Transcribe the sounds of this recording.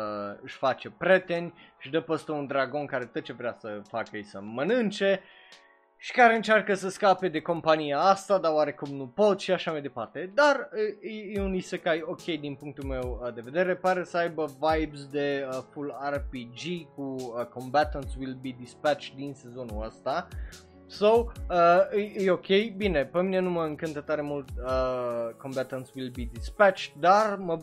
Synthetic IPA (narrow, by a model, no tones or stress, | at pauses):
ɨʃʲfat͡ʃe̞pɾʲe̞t̪e̞nʲɨʃiʃd̪əpəst̪əund̪ɾaɡo̞nkaɾe̞t̪ot̪̚t͡ʃevɾeasəfakəjsəmənɨnt͡ʃe̞ | ʃi̥kaɾe̞ɨnt͡ʃarkəsəskape̞d̪e̞ko̞mpanijaast̪ad̪aoaɾe̞kumnupo̞t̪ʃiaʃamajd̪e̞part̪e̞d̪arjjeunisəkajo̞kʲe̞jd̪inpuŋk̚t̪ulme̞wəd̪e̞ve̞d̪e̞ɾe̞paɾesəajbəvajbzd̪e̞əfularpid͡ʒikuəkõ̞mbat̪ənt̪swilbid̪ispæt͡ʃt̪d̪inse̞zo̞nuəst̪a | sowəjeo̞kʲʰe̞jbine̞pemine̞numəɨŋkɨnt̪ət̪aɾe̞mult̪əkõ̞mbat̪ənt̪swilbid̪ispæt͡ʃt̪d̪armə